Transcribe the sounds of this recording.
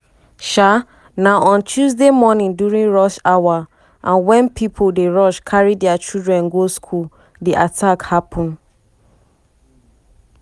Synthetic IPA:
ʃa | naʔɔ̃ntʰuzdemɔnĩndjuɹĩŋɹɔʃawa | ʔãnwɛ̃npʰipʰodeɹɔʃkʰaɹidɛat͡ʃildɹɛ̃nɡoskʰul | diʔatʰakhapʰɔ̃n

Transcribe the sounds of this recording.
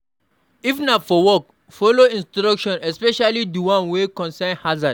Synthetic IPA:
ifnafɔwɔk̚ | fɔloĩnstɾɔkʃɔ̃nɛspɛʃalidiwãnwekɔ̃nsãnhazad

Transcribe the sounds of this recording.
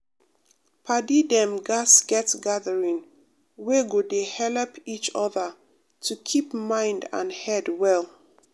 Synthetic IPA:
pʰadidɛ̃mɡasɡ̥ɛtɡaðəɹĩŋ | weɡodehɛlɛpʰit͡ʃɔðə | tʰukʰipmãɪ̃ndã̰nhɛdwɛl

